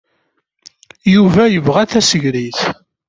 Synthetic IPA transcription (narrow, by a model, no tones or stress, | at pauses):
juvæjəvʁæθæsəʝɾiθ